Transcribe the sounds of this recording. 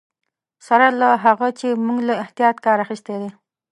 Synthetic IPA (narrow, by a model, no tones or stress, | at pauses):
saɾalaɦaʁat͡ʃemuŋlaɪht̪ijɑt̪kɑːɾaχist̪ed̪ɪ